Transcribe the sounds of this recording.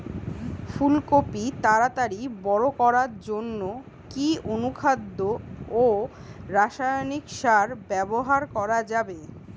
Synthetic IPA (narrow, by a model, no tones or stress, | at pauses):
fulkopit̪aɾat̪aɾibɔɾokɔɾaɾd͡ʑonːo | kionukʰad̪ːoo | ɾaʃajnikʃaɾbɛboɦaɾkɔɾad͡ʑabe